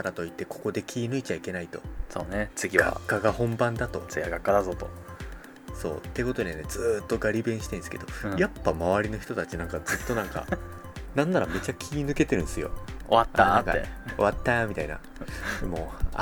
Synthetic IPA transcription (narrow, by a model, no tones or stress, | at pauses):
aɾat̪o̞it̪ːe̞kʰo̞̥ko̞d̪e̞kʲʰiːnɯ̟it͡ɕaike̞nait̪o̞̥soːnet͡sɨɡʲia̰kːaɡahõ̞mbãnd̪at̪o̞t͡sɡiaɡakːad̪azot̪o | so̞̰ːt̪ːe̞ko̞t̪o̞d̪iene̞d͡zɨt̪ːo̞ɡaɾʲibẽ̞ɰ̃ɕi̥t̪ẽ̞nsɨ̥ke̞̰d̪o̞japːamaβaɾʲino̞çi̥t̪o̞t̪at͡ɕinãŋkad͡zɨt̪ːo̞nãŋka̰ | nãnːaɾame̞t͡ɕakʲʰiːnɨ̟ke̞t̪e̞ɾɯ̟̃nsɨjo̞̰o̰βat̪ːaka̰eo̞̰βat̪ːamʲit̪aina̰ | d̪emo̞̰